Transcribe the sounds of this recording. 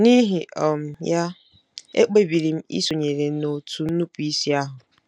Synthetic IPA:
ni˦ɦi˨ʔɔ˨m̩˨ja˦ | ḛ˦k͡pe˨bi˨ɾi˨m̩˦ḭ˦so˨ɲe˨ɾe˨no˨tu˨n̩˦nu˦pu˨˦i˦si˦a˦ɦʊ˨

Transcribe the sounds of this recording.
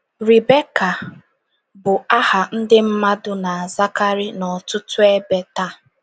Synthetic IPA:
ɾi˨be˦ka˨ | bʊ˨a˦ha˨n̩˦dɪ˦m̩˦ma˦dʊ˦na˨a˨za˦ka˦ɾi˦nɔ˨tʊ˦tʊ˦e˦be˦ta˦

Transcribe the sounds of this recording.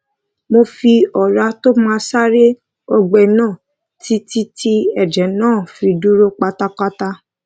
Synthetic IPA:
mo˧fi˧ɔ˨ɾa˧to˦mãː˦sa˦ɾe˦ | ɔ˧ɡ͡bɛ˨nãː˦˨ | ti˦ti˦tʰi˦ɛ˦˨d͡ʒɛ˨nãː˦˨fi˧du˦ɾo˦k͡pa˧ta˧k͡pa˦ta˧

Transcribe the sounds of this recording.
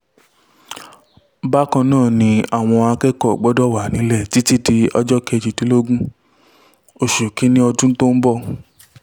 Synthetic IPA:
ba˦kã˧nãː˦˨nĩ˧a˨w̃ɔ̃˧a˧kɛ˦kɔ˦˨ɡ͡bɔ˦dɔ˦˨wa˨nĩ˨˦lɛ˦˨ti˨˦ti˦di˧ɔ̰˧d͡ʒɔ˦kɛ˧˨d͡ʒi˨tĩ˨˦lo˦ɡũ˦ | o˧˨ʃu˨kĩ˨˦nĩ˦ɔ˧dũ˦to˦m̩˦bɔ˦˨

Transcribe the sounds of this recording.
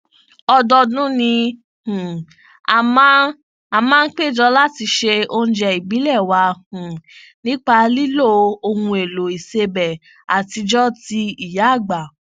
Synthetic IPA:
ɔ˧dɔ˧dũ˦nĩ˧ | h̩˨ | a˨mã˦ | a˨mãː˦˧n̩˦k͡pe˦˨d͡ʒɔ˧la˦ti˧ʃe˧õ˧˦d͡ʒɛ˧i˨bi˨˦lɛ˦˨wa˧hũ˨ | nĩ˦k͡pa˧li˦lo˦˨o˧hũ˧e˨lo˨i˨se˧bɛ˨ | a˨ti˧d͡ʒɔ˦ti˧i˨ja˨˦˨ɡ͡ba˨

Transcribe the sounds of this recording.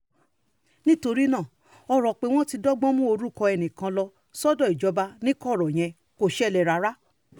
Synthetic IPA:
nĩ˦to˧ɾi˦nã˦˨ | ɔ˧ɾɔ˨k͡pe˨˦w̃ɔ̃˦ti˧dɔ˦ɡ͡bɔ̃˦mũ˦o˧ɾu˦˨kɔ˧ɛ˧˨nĩ˨kã˧lɔ˧ | sɔ˦dɔ˦˨i˨d͡ʒɔ˨˧ba˧nĩ˦kɔ˦˨ɾɔ˨j̃ɛ̃˧ | ko˦˨ʃɛ˦˨lɛ˧˨ɾa˧ɾa˦

